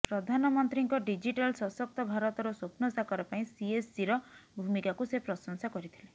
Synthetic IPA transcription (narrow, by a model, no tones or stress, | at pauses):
pɾɔd̪ʱanɔmɔnt̪ɾiŋkɔɖid͡ʒiʈalsɔsɔk̚t̪ɔbʱaɾɔt̪ɔɾɔsopnɔsakɔɾapaĩsiesːiɾɔbʱumikakusepɾɔsɔŋsakɔɾit̪ʰile